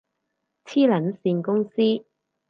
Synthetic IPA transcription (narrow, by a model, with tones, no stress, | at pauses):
t͡sʰiː˥lɐ˨˥nsiː˧nkʊ˥ŋsiː˥